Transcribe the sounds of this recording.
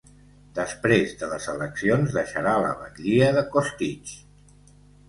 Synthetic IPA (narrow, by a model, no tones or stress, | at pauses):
d̪əspɾezðələzələksionzðəʃəɾalə̰βə̰ɣʎiəðəkost̪it͡ʃ